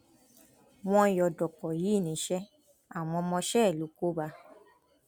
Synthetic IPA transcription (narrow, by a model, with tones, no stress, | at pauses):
w̃ɔ̃˧˦jɔ˨dɔ˨kɔ˨ji˨˦˨nĩ˨˦ʃɛ˦ | a˦˨w̃ɔ̃˧mɔ̃˧ʃɛ˦ɛ˦˨lu˨˦ko˦ba˧